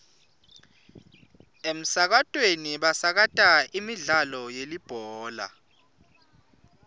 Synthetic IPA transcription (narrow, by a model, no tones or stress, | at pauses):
em̩sak̬atʼweniɓasak̬atʼaimiɮalɔjelib̥ʱɔːla̰